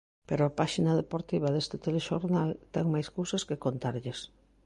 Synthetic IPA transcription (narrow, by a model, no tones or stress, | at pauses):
peɾoapaʃinaðepoɾt̪iβ̞aðest̪ɪt̪eleʃoɾnalt̪ɛŋmajskowsaskekont̪aɾʎes